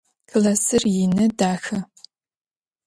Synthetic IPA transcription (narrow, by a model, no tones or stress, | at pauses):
kʰɨlasɨrjɪnɨdaːxɐ